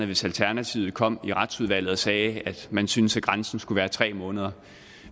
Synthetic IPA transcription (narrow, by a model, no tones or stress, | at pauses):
əʋe̝sælt͡sʰæɐnæt͡sʰiʊð̩ˠkʰɒ̽m̰iʁɑ̈d̥suð̞ˠʋæl̰ð̩ˠɒsɛːæd̥mænsynəsæɡ̥ʁɑnsn̩sɡ̥uʋæːɐt͡sʰʁɛ̰ːmɔ̽ːnəð̞ˠɐ